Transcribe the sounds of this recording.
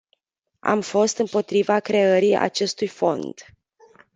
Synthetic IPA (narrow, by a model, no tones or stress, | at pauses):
a̰mfo̞st̪ɨmpo̞t̪ɾivakɾe̞əɾia̰t͡ʃe̞st̪ujfo̞̰nd̪̥